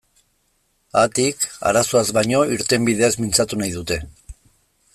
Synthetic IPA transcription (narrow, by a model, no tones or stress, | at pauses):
at̪ika̰ɾaso̞azβajɲo̞iɾt̪e̞mbið̞e̞azmint͡sat̪unajðut̪e̞